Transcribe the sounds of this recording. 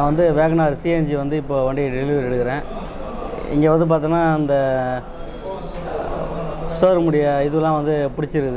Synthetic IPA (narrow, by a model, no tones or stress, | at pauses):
aʋɐnd̪ɯʋeːɣɐnaːɾsiɛnd͡ʒiʋɐnd̪ɯɪpːoːʋɐɳɖɪɐɖɪlɪʋɾɪɽɯkːɪɾẽː | ɪ̰ŋɡeːʋɐnd̪ɯp̬aːɾt̪iŋnaːɪnd̪ɐ | soːɾmʊɽɪjɐɪðɯʋɐlãːʋɐnd̪ɯpʊɽɪt͡ʃːɪɾɯkːɯðɯ